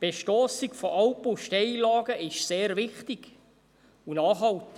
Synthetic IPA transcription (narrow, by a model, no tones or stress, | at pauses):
b̥eʃtɔːsɪɡfɔʔɑwpuʃtɛɪlɑːɡəʔɪʃseːɾvɪχtɪɡ̥ | unɑːχhɑlt̪